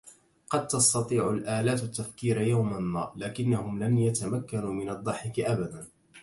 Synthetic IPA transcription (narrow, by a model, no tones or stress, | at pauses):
qɑd̪̚t̪ɑst̪ɑt̪ˤiːʕʊlʔaːlaːt̪at̪ːafkiːɾjawmanːa̰ːlaːkɪnːahʊmlanjat̪amakːanuːmɪnɑd̪ˤːɑħɪkʔabad̪an